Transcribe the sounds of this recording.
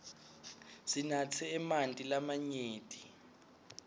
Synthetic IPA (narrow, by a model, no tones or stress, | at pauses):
z̥inat͡sʰɛːmantʼilamaɲeːtʼi